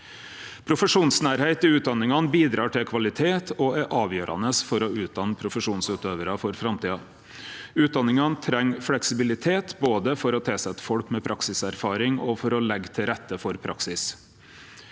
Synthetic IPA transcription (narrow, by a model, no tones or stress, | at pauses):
pʰɾʊfəʂuːnsnæːɾheɪt̪ɪʉːt̪̚d̪ɑnɪŋɑnbiːd̪ɾɑːʈʰɪlkʰʋɑlɪt̪ʰeːt̪ʰɔæʔɑːʋjøːɾʔɑ̰nəsfɔɾɔʉːt̪̚d̪ɑnəpʰɾʊfəʂuːnsʉːt̪øːʋəɾɑfɔɾfɾɑmt̪iːɑ | ʉːt̪̚d̪ɑnɪŋɑnt̪ʰɾɛŋːflɛksɪbɪlɪt̪ʰeːt̪boːd̪əfɔɾɔt̪ʰɛlsɛt̪ːə̥fɔlkmɛpʰɾʔɑksɪsæɾfɑːɾɪŋɔfɔɾɔlɛɡt̪ʰɪɾɛt̪ːəfɔɾpʰɾʔɑ̰ksɪs